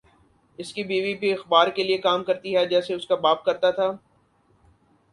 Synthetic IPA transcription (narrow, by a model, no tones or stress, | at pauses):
ɪskibiːʋibʱiɐxbaːɾkeliekaːmkɐɾt̪iɦɛd͡ʒɛːseʊskabaːp̚kɐɾt̪at̪ʰaː